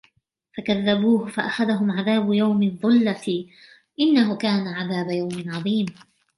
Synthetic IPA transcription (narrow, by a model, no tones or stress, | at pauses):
fakaðːabuːhʊfaʔaxaðaɦʊmʕaðaːbʊjawmɪðˤʊlːa | ʔɪnːaɦʊkaːnaʕaðaːbajawmɪnʕɑðˤiːm